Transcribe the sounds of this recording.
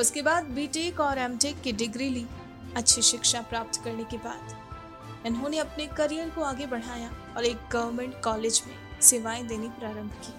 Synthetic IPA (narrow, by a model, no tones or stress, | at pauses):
ʊskebaːd̪̚biːʈeːkɔːɾɛ̃ːmʈeːkːiɖɪɡɾiliː | ɐtːʃʰiʃɪkʃapɾaːp̚t̪kɐɾnekeba̰ːd̪ | ʊnɦõneɐpnekɐɾijəɾkoaːɡebɐɽ̤aːja | ɔːɾeːk̚ɡɐʋəɾmɛ̃ɳʈkɔːleːd͡ʒmḛ̃seʋaːẽd̪eːnipɾaːɾə̃mbʱkiː